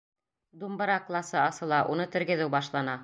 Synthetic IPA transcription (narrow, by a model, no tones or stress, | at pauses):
d̪umbɤ̆ɾɑklˠɑsɤɑsɤ̆lˠɑʔunɤt̪ɘ̆ɾɡɘ̆ðɘwbɑʃlˠɑnɑ